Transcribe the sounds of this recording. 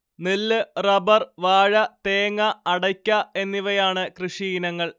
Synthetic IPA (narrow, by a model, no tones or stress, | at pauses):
nilːɨrɐbɐrʋaːɻɐt̪eːŋːɐːɽɐkʲːɐe̞nːiʋɐjaːɳɨkrɨʂiːnɐŋːɐɭ